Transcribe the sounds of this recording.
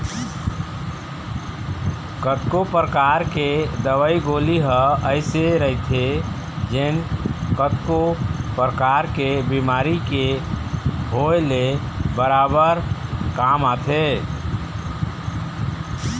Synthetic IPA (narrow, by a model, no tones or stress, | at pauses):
kət̪kopɾəkaɾked̪əʋəiɡoliɦəəɪseɾəɦit̪ʰe | d͡ʒenkət̪kopɾəkaɾkebimaɾike | ɦoele | bəɾabəɾkamat̪ʰe